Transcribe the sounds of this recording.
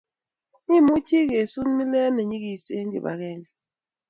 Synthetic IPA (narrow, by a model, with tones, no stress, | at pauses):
ɲi˦˨mu˦t͡ʃi˦ɣe˨su˦n˦mi˦lɛ˦nɛ˨ɲi˦ki˨se˦nd͡ʒḭ˨ba̰˨ɣɛ˦˨nd͡ʒi˨